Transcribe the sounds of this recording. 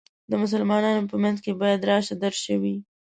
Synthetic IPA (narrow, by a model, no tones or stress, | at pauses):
d̪əmʊs̬əlmɑnɑnopəmanzkebɑjad̪ɾɑʃt̪ad̪əɾʃəwi